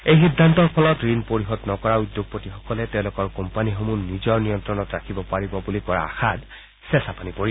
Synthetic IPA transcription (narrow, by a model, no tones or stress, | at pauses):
ejxidʱːantɔɹpʰɔlɔtɹinpoɹiɦɔdnɔkɔɹaud̪ːjoɡ̚potixɔkɔlɛtɛʊ̃lʊkɔɹkɔmpanixomunizɔɹnijɔntɹɔnɔtɹakʰibɔpaɹibɔbulikɔɹa̰a̰xad | sɛsapanipoɹi